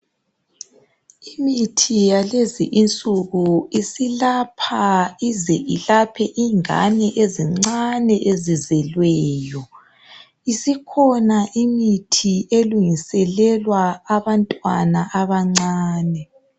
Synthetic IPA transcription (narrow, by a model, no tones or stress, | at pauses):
imitʰijalezḭʔint͡sʼuɣuisilapʰaizɛʔilapʰɛʔiŋa̰nɛʔeziŋ͡ǀanɛʔezizɛlwɛːjɔ | isikʰɔnaʔimitʰieluŋisɛlɛlwaːβantʼwanaʔaβaŋ͡ǀaːnɛ